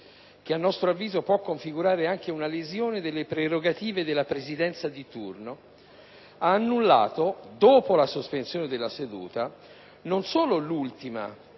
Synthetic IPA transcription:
k̟eanːɔst̪ɾoavːiːzopwɔkːoɱfiɡuɾaːɾeaŋk̟eunalezjoːned̪elːepɾeɾoɡat̪iːved̪elːapɾezid̪ɛnt̪sad̪it̪ṵrno | aːnːulːa̰ːt̪od̪oːpolasospensjoːned̪elːased̪ṵːt̪a | nonsoːlolult̪ima̰

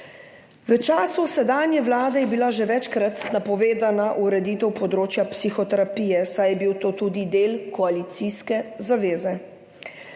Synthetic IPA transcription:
ʋət͡ʃaːsusɛd̪aːnjɛʋlaːd̪ɛjɛbilaʒɛʋɛt͡ʃkɾat̪napɔʋeːd̪anaʔuɾɛd̪iːt̪ɛwpɔd̪ɾoːt͡ʃjapsixɔt̪ɛɾapiːjɛsajɛbiwt̪oːt̪ud̪id̪eːlkɔalit̪siskɛzaʋeːzɛ

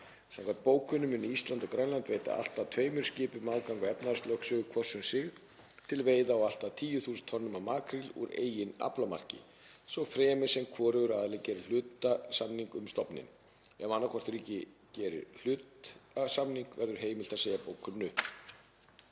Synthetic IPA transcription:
sɛŋkʰat̪̚poːwkʏnːʏmɪnːiist̪lant̪ɔkɾajnlant̪vejt̪a̰a̰l̥t̪at̪ʰveːjmʏɾ̥scɪːpʏmaðkawŋkʏɛpnast̪lœksœːɣʏkʰvɔr̥sʏnsɪɣ | t̪ʰɪlveːjðaɔwal̥t̪at̪ʰiːjʏθuːsʏnt̪ʰɔnːʏmamaːkɾilṵɾḛːjɪna̰plama̰r̥cɪ̰ | sɔɣfɾɛːmɪ̥sɛmkʰvɔːɾʏɣʏɾaðalɛɣcɛːɾɪ̥l̥ʏːt̪asamniŋkʏmst̪ɔpnɪ̰n | ɛmanːakʰɔr̥t̪ɾiːcɪ | cɛːɾɪ̰ɾl̥ʏːt̪asamniŋkvɛɾðʏɾ̥ɦeːjmɪl̥t̪aðseːjapoːwkʏnːʏ

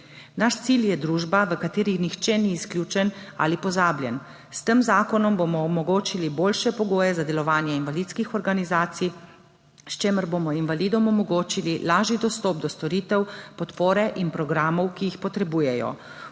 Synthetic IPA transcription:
naʃt̪siljɛd̪ɾuːʒbaʋəkat̪eːɾixnixt͡ʃɛniːsklʲjuːt͡ʃɛna̰lipɔzaːbljɛn | st̪əmzaːkɔnɔmbomɔɔmɔɡoːt͡ʃiliboːlʃɛpɔɡoːjɛzad̪ɛlɔʋaːnjɛinʋalit̪skixɔɾɡanizaːt̪si | st͡ʃeːməɾbomɔinʋaliːd̪ɔmɔmɔɡoːt͡ʃililaːʒid̪ɔst̪ɔːpd̪ɔst̪ɔɾiːt̪ɛwpɔt̪poːɾɛʔinpɾɔɡɾaːmɔwkiixpɔt̪ɾɛbuːjɛjɔ̰

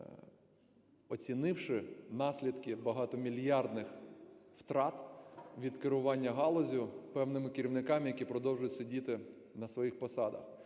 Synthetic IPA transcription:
ɔt͡sʲinɪwʃɪnɑsʲlʲid̪kɪbɐɦɑt̪ɔmʲilʲjɑrd̪nɪxft̪ɾɑt̪ʋʲid̪kɪɾʊʋɑnʲːɐɦɑlˠɔzʲʊpɛwnɪmɪkɪɾʲiwnɪkɑmɪjɐkʲipɾɔd̪ɔwʒʊjʊtʲsʲɐdʲit̪ɪ | nɐsʋɔjixpɔsɑd̪ɐ̰x

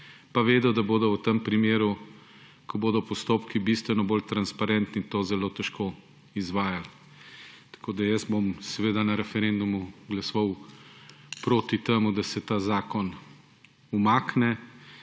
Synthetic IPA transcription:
paʋeːd̪ɔd̪aboːd̪ɔwt̪empɾimeːɾu | kʰɔboːd̪ɔpɔst̪oːpkibist̪ʋɛnɔbolt̪ɾanspaɾɛnt̪nit̪oːzɛloːt̪ɛʃko | izʋaːjal | t̪ɐ̥koːd̪ajɐsbomsɛʋeːd̪anɐɾɛfɛɾend̪umuɡlɐsɔw | pɾoːt̪it̪emud̪ɐsɛt̪aːzaːkɔn | umaːknɛ

